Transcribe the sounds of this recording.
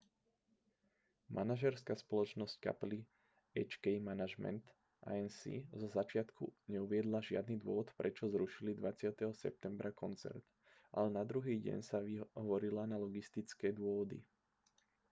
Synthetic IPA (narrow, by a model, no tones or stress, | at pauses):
mʔa̰naʒɛɾskaspɔlɔt͡ʃnɔsc̚ka̰pli | ɛt͡ʃkɛjmanaʒmɛ̰nt̪ | ʔa̰ɛnsḭzɔzat͡ʃɪat̪kʰuɲɛuʋɪɛd̪laʒɪa̰d̪niːd̪ʊɔʋɔt̪pɾɛt͡ʃɔzɾuʃilid̪ʋat͡sɪat̪ɛɦɔsɛ̰p̚t̪ɛmbɾʔakɔnt͡sɛ̰ɾt̪ | ʔa̰lɛnad̪ɾuɦiːɟɛ̰ɲsaʋiʋɔɾilanalɔɡist̪it͡skɛːd̪ʊɔʋɔd̪ḭ